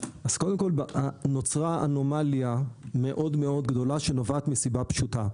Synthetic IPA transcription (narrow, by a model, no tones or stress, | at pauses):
ʔaz̥kod̪emko̞lbano̞t͡sʁaʔano̞maljame̞ʔo̞d̪me̞o̞d̪ɡd̪o̞laʃenovaːt̪misibapʃuta